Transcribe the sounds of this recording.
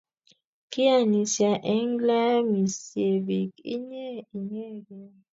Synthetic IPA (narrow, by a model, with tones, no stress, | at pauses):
ki˦a˨ni˨sja˨ʔɛ˦ŋla˦mi˨se˨bi˨kḭ˦ɲɛ˦i˨ɲɛ˦ɡɛ˨